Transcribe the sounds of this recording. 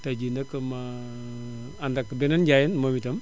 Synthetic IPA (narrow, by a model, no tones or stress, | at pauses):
tad͡ʒindakːəma | andakːəbenand͡ʒajinmomitɐm